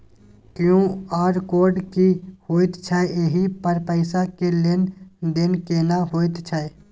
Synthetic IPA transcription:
kjõːaːɾkoːɾɖkihoːɪt̪t͡ʃʰaeeɦipəɾpəɪsakelend̪ɪnkeːnaɦoːɪt̪t͡ʃʰae

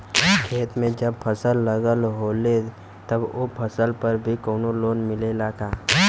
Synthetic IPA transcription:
kʰeːt̪mẽd͡ʒəb̚pʰəsəlːəɡəlɦoːle | t̪ɐbopʰəsəlpəɾbʱikoːnoloːnmɪlelaːɡaː

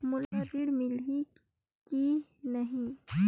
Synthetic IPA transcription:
mʊlɐt̪iɽmɪlɦi | kinɐɦĩ

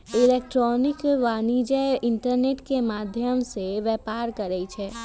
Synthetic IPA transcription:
ɪleːk̚ʈɾɔːnɪkʋaːnid͡ʒəɪɳʈəɾneːʈkemaːd̪ʱjəmseʋɛːpaːɾkəɾɛt͡ʃʰɛː

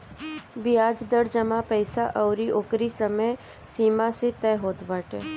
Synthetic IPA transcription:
bɪjaːd͡ʒd̪əɾd͡ʒəmapɛɪsaʔɔʊɾiʔokɾisəməj | siːmaset̪ɛːɦoːt̪baːʈeː

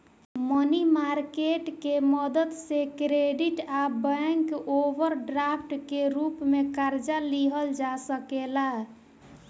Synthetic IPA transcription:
mənimaɾkeʈkeməd̪əd̪sekɾeɖiʈabəŋkobəɾɖɾapʰʈkeɾupmekaɾd͡ʒaliɦəld͡ʒasəkela

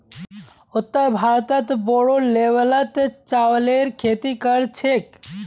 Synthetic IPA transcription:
ot̪ːəɾbʱaɾt̪ət̪bɔɽoleʋələt̪t͡ʃawleɾkʰet̪ikəɾt͡ʃʰek

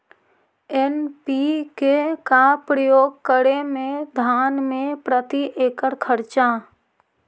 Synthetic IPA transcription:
enpikekapɾəjoːɡ̚kəɾemẽd̪ʱaːnmẽpɾət̪iʔeːkəɾkʰəɾt͡ʃa

